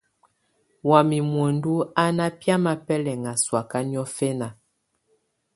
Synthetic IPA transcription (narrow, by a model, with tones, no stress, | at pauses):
wa˨mi˨mwo˨ndu˦a˦na˦pja˦ma˨pɛ˦lɛ˨ŋa˨swa˨ka˦ni˦ɔ˦fɛ˦na˨